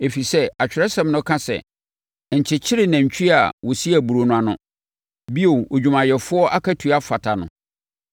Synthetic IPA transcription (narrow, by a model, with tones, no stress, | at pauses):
e˨fi˨sɛ˦a˨t͡ɕᶣɪ˨ɾɛ˦sɛ̃˨mnʊ̃˦kʰã˦sɛ̰˨ | ɲ̩˨t͡ɕʰɪ˨t͡ɕʰɪ˦ɾɪ˨nã˨ɲ˨t͡ɕᶣʰi˦a˨wɔ˨si˦æ˨bu˨ɾo˨nʊ̃˦a˨nʊ̰̃˦ | bi˦o˨o˨d͡ʑᶣũ˨mã˨jɛ˨fʊ˦ɔ˦ʔa˦kʰa˦tʰu˨a˦fa˨tʰa˨nʊ̰̃˨